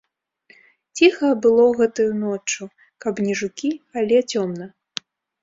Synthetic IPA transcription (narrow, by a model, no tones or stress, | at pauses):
t͡sʲixɐbɨlˠɔɣɛt̪ujunɔt͡ʂu | kɐbnʲɛʐukʲiɐlʲɛt͡sʲɔmnɐ